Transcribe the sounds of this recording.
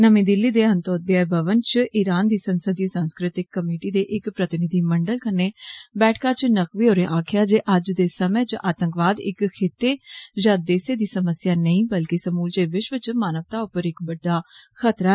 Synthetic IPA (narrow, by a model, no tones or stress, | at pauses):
nəmĩːd̪ɪlːiːd̪eːənt̪oːd̪eabəʋənt͡ʃʔɪɾaːnd̪iːsənsəd̪isãːnskɾɪt̪ɪkːəmeːʈiːd̪eːʔɪkpɾət̪ɪnɪd̪iːməɳɖəlkənːeːbɛːʈʰkaːt͡ʃnəkʋiːɦoːɾẽːʔaːkʰjaːd͡ʒeːʔəd͡ʒd̪eːsəmẽːt͡ʃʔaːt̪ə̃ŋkʋaːd̪ɪ̰kkʰeːt̪eːd͡ʒad̪eːseːd̪iːsəməsjaːnəĩːbəlkisəmuːld͡ʒeːʋɪʃʋət͡ʃmaːnəʋt̪aːʊpːəɾɪkbəɖːaːkʰət̪ɾaː